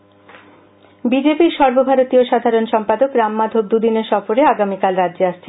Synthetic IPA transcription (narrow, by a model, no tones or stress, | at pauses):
bid͡ʑepiɾʃɔɾbobʱaɾot̪ioʃad̪ʱaɾonʃɔmpad̪okɾamːad̪ʱob̚d̪ud̪ineɾʃɔfoɾeaɡamikalɾad̪ːd͡ʑeaʃt͡ɕʰen